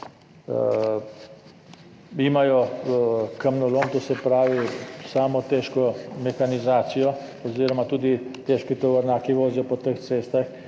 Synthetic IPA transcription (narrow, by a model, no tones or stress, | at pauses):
imajɔ | kəmnɔloːmt̪osɛpɾaːʋisaːmɔt̪ɛːʃkɔmɛxanizaːt̪sijɔ | ɔziːɾɔmat̪uːd̪it̪eːʃkit̪ɔʋəɾnaːkiʋoːzjɔpɔt̪əxt̪seːst̪ax